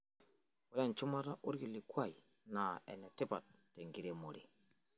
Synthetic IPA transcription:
wu˦ɾe˦˨nt͡ʃu˦ma˦ta˦ʔu˦ɾɡi˨li˨kʷa˦˨j | na˨ḛ˨ne˨ti˦pa˨t̚ːe˨ŋɡi˨ɾe˦mo˨ɾi˨

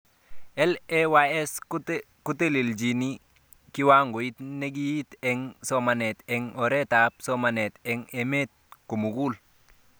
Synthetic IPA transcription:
ɛ˦lɛ˦wa˦ɛ˦s | ku˦te˦li˨ld͡ʒi˨ni˦ | ki˦wa˦ŋɡo˨i˦t̪ne˦ɡi˦ji˦tɛ˦ŋsɔ˦ma˨nɛ˨t̪ɛ˨ŋɔ˨ɾɛ˦ta˨p̚sɔ˦ma˨nɛ˨tɛ˨ŋe˨me˦t̪̚ko˨mu˨ɡu˦l

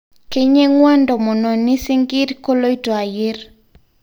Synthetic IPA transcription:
ke˦ɲe˦ŋwa˦ndɔ˨mɔ˨nɔ˨ni˦si˦ŋɡi˦ɾko˦lo˦i˦tɔ˨a˨jɪ˦ɾ

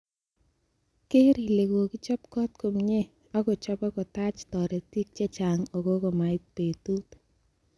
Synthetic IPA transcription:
ke˦ɾi˨le˨ɡo˨ki˦t͡ʃɔ˦pkɔ˦t̚ko˨mɲe˦ | ɔ˦ko˨t͡ʃɔ˦pɔ˦kɔ˨ta˦t͡ʃtɔ˨ɾe˨ti˦k̚t͡ʃe˦t͡ʃa˨ŋo˨ɡo˦ko˨ma˨ɪ˦k̚pe˨tu˦t

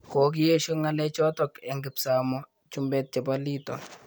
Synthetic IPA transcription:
ko˨k̬i˦je˦ʃo˦ŋa˦lɛ˦t͡ʃɔ˦tɔ˨kɛ˨ŋɡɪ˨psa˨mɔ˦ | t͡ʃu˦mbɛ˦t̚t͡ʃɛ˨pa˦li˦tɔ̰˨

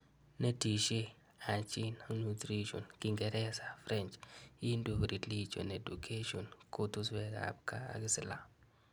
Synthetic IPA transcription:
ne˦ti˨ʃe˦ | a˨t͡ʃɪ˦na˦nu˨tɾi˦ʃo̰˨nki˦ŋɡɛ˨ɾɛ˦sa˨fɾɛ˦nt͡ʃi˦ndu˨kɾi˨tli˦t͡ʃo̰˨ne˨du˨kʰe˦ʃo˨nko˦t̪u˦swɛ˨ɡa̰˨b̚ka̰ː˦˨ɡɪ˦sɪ˨la̰˦

